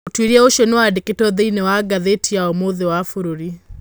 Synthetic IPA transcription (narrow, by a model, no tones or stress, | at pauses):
otwiɾiaoʃɔnewadeketɔðeinewaɡaðetiaɔmoðewafoɾoɾi